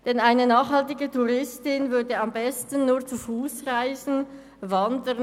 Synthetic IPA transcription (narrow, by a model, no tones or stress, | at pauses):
d̥ɛnaɪnənaːχhɑltɪɡətʰuʁɪstɪnvʏɐdəɑmbɛstn̩nuːɐt͡sufuːsʁaɪzn̩ | vɑndə